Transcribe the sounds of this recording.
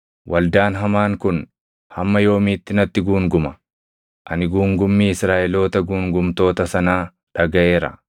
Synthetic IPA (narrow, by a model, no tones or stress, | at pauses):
wʔɐld̪aːnɦɐmaːŋkʊn | hɐmːɐjo̞ːmiːt̪ːɪnɐt̪ːɪɡuːŋɡʊmɐ | ʔɐnɪɡuːŋɡʊmːiːɪsɾaːʔɛlo̞ːt̪ɐɡuːŋɡʊmt̪o̞ːt̪ɐsɐnaː | ᶑɐɡɐʔe̞ːɾɐ̰